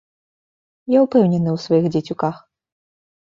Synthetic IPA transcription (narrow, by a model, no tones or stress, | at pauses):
jaupɛwnʲɛnɨwsvajixd͡zʲɛt͡sʲukax